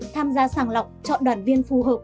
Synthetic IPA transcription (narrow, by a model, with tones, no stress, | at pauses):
t̪ʰaː˧mzaː˧saː˧˩ŋla˨˩wk͡p̚t͡ɕɔ̰˧˨ɗwaː˨˧˩nvi˧ənfu˨˩ɦəː˨˩p̚